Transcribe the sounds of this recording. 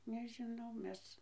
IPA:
nʲɛʒʲɪˈnɐʊ ˈmʲɛs

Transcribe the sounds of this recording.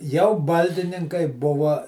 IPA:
jɛʊ ˈbɐlʲdʲɪnʲɪŋkɐɪ ˈbʊʋɐ

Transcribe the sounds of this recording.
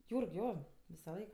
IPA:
ˈjuːrk ˈjoː ʋʲɪsɐˈlˠɐɪk

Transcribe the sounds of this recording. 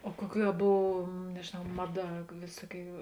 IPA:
oː ˈkuɔˌkʲuː ɐ ˈboːw nʲɛʒʲeːˈnɐʊ ˈmɑːˌdɐ ˈʋʲeːsuɔˌkʲuː

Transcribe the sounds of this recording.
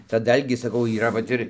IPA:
tɐ ˈdɐlʲɡʲiː sɐˈkɐʊ iːˈrɐ ʋɐt ˈɪr

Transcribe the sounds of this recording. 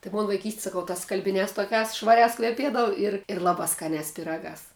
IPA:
tɐɪ ˈmoːn ʋɐɪˈkʲiːsʲtʲɪ sɐˈkɐʊ tɐs skɐlʲbʲɪˈnʲæːs toːˈkʲæːs ʃʋɐˈrʲæːs kʋʲɛˈpʲiɛdɐʋʊ ɪr ɪr ˈlˠɑːbɑː skɐˈnʲæːs pʲɪˈrɑːɡɑːs

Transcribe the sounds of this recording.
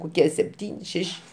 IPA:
koːˈkʲiɛ sʲɛpʲˈtʲiːnʲɪ ˈʃʲæːʃʲɪ

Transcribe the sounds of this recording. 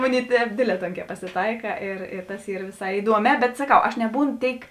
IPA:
ˈmʊˌnʲeːɪ ˈtʲɛːp ˈdʲeːdʲˌlʲɛː ˈtoːŋʲkʲɛː pɐsʲɪˈtɐɪkɐ ɪr ɪ tɐs ˈiːr ʋʲɪˈsɐɪ ɪˈduɔˌmʲɛː bʲɛt sɐˈkɐʊ ɐʃ nʲɛˈbuːnoː ˈtʲeːɪk

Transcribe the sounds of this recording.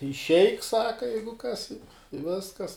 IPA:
ɪʃʲˈɛɪk ˈsɑːkɐ ˈjɛɪɡʊ kɐs ɪ ɪ ˈʋʲɪskɐs

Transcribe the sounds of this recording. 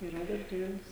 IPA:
ɪˈrɐ dɐrʲˈʒʲæːlʲɪs

